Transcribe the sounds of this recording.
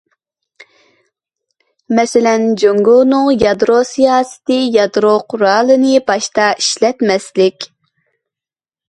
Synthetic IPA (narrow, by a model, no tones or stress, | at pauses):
mɛsɪlɛnd͡ʒoŋɡunɨŋjɑd̪ɾosijɑːsɨ̥t̪ɨjɑd̪ɾoqʰʊɾɑlˠɨnɨbɑʃt̪ɑʔiʃlɛt̪mɛslɪkʲ